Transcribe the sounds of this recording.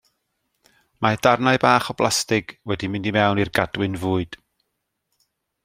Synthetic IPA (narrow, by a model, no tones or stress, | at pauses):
madarnaɨbaːχɔb̥lˠʔastɪɡ̥wɛdimɪndimɛwnirɡad̥wɪnvʊːɨd̥